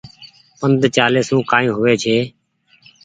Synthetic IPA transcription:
pənd̪ʱt͡ʃaːleːsũːkãːĩːɦʊʋeːt͡ʃʰeː

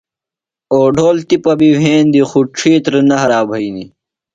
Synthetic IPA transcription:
oːɖʱoːlt̪ipɐbiʋʱeːnd̪ixuʈ͡ʂʰiːt̪ɾnɐɦɐɾaːbʱɐini

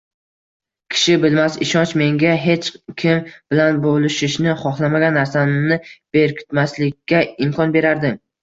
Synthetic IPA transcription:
kʲʰɪ̥ʃɪbɪlmasɪʃɒnt͡ʃme̞ŋɡʲaɦe̞t͡ʃkʲʰɪmb̥ɪlanbolˠɪʃɪʃnɪχɒχlˠamaɡʲanːaɾsanɪb̥eɾkʰʲɪ̥t̪maslɪkʲːaɪmkʰɒnbe̞ɾaɾd̪ɪ

